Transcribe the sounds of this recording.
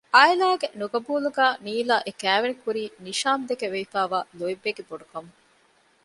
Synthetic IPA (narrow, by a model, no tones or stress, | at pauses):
ʔaːilaːɡenuɡɐbuːluɡæːniːlaːʔekæːʋenikuɾiːniʃaːmd̪ekeʋeifæːʋaːloibːeɡeboɖukɐmu